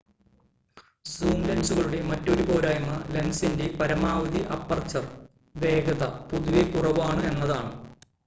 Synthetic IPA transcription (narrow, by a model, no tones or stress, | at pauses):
suːnlɐnsuɣɐɭuɽe̞mɐtːo̞ɾupo̞ːɾaːjunːɐlensindepɐɾɐmaːʋɐd̪iʔɐpːɐrt͡ɕːɐr | ʋe̞ːɡɐðɐpuðuʋikurɐʋaːɳɨe̞nːɐðaːɳɨ